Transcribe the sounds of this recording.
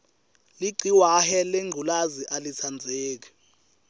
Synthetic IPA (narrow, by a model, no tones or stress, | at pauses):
liɡ͡ǀʱiwahɛleŋɡʱulaziʔalisʰand͡zʱeːk̬i̥